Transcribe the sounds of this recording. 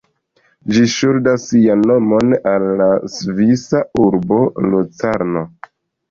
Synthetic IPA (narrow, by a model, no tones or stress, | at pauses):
d͡ʒiʃuldasːianːomo̞nalːasvisauɾbo̞lot͡saɾno